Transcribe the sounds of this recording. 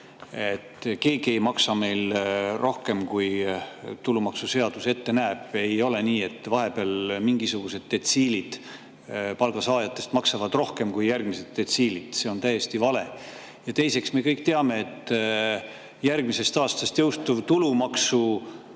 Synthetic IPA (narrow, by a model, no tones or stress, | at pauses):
et̪ːke̞ːɡiejmɑksɑme̞jlrʔo̞hke̞mkujt̪ulumɑksuse̞ɑd̪̥use̞t̪ːe̞næːb̥e̞jo̞le̞niːe̞t̪ːˑvɑɦe̞b̥eɑlmiŋɡ̥isuɡ̥use̞d̪̥ːe̞t̪siːlid̪̥ | pɑlɡ̥ɑsɑːjɑt̪ːˑe̞st̪mɑksɑvɑd̪̥ro̞hke̞mkujjærɡ̥mise̞d̪̥̚ːe̞t̪siːlid̪̥se̞o̞nt̪æje̞st̪ivɑle̞ | jɑt̪e̞jse̞ksme̞kɤjk̚t̪e̞ɑme̞et̪ː | jærɡ̥mise̞st̪ɑːst̪ɑst̪jɤwst̪uvt̪ulumɑksu